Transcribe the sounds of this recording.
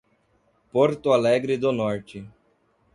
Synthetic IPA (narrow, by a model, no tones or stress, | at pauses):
poɾt̪ʊalɛɡɾɪd̪ʊnɔɾt͡ʃɪ